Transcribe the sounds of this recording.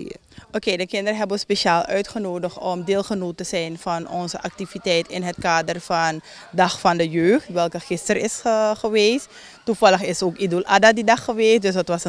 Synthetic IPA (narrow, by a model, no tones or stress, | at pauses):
ʔokeːdəkɪndəɾəɦɛbəʋəspeʃaːlˠʔœɥtχənoːdəxɔmdeːlˠχənoːtəzɛjnfɑnɔnzəʔɑk̚tivitɛjtɪnɦətkaːdərfɑn | dɑxfɑndəjøːχtʋɛlˠkəχɪstərɪsəχəʋeːs | tufɑləxɪsoːkidəlʔadadidɑχːəʋeːsdɵs̬ɑtʋɑsə